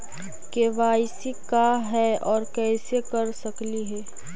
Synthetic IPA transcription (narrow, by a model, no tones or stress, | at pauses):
keʋaːɪsikaɦɛɔːɾkɛːsekɐɾsɐkliɦɛː